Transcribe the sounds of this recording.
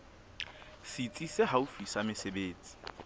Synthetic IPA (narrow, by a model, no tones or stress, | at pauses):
sit͡sʼiseɦaufisamɪsebeːt͡sʼi̥